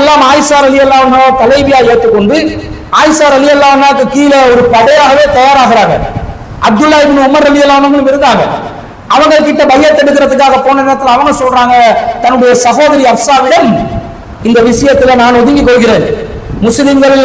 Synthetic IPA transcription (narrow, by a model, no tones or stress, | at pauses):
lːaːmaːjɪsaːɾɐlɪjɐlːaːʋɐnɐɭːt̪ɐlɐɪbɪjaːeːʈ̪ːɯkːɔɳɖɯ | aːjɪsaːɾɐlɪjɐlːaːʋɐnːaːkːɯkiːlɛɔɾɯpɐɽɐjaːɣɐʋeːt̪ɐjaːɾaːɣɪɾaːɣɐ̰ | ɐb̚d̪ʊlːaːjɪbɪnʊmɐɾɐlɪjɐlːaːʋɐnɐŋɡɐɭɯmɪɾɯnd̪aːŋɡɐ̰ | ɐʋɐŋɡɐɭɯkːɪʈːɐbɐɣɪjɐt̪ːɛɽɯkːɪɾɐðɯk̬ːaːɣɐpoːnːɐneːɾɐt̪ːɪlɐʋɐnɐsɔlraːŋɡɐt̪ɐnːɯɽɐjɐsɐɣoːðɐɾiɐʋɐsaːɣɐjɐm | ɪnd̪ɐʋɪʂɐjɐt̪ːɪlɛnaːnɔðɪŋɡikːɔɭɣɪɾeːn | mʊsɪlɪŋɡɐɭɪl